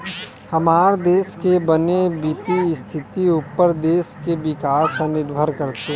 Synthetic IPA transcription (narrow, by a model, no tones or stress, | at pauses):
hɐmaːɾd̪eːskebənebɪt̪iɪst̪ʰɪt̪iupəɾd̪eːskebɪkaːsənɪɾbʱəɾkəɾt̪e